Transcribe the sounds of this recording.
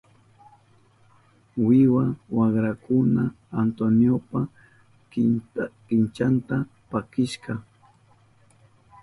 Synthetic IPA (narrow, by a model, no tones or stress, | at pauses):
wɪwawaχɾakʊnaː | nt̪onjopa | kɪnt͡ʃant̪a | pakɪʃɢɑ